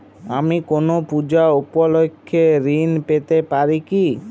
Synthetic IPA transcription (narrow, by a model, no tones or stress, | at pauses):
amikonopud͡ʑaupolokʰːeɾinpet̪epaɾiki